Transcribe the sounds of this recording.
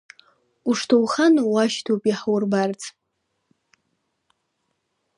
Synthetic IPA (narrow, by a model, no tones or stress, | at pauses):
uʂtʰowχanwaʃtʰopʼiħawʊrbart͡sʰʼ